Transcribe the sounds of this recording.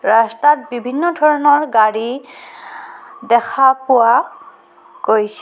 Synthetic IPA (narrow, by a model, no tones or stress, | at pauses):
ɹastat̚bibʱinːɔdʱɔɹɔnɔɹɡaɹi | dɛkʰapʊwa | ɡojs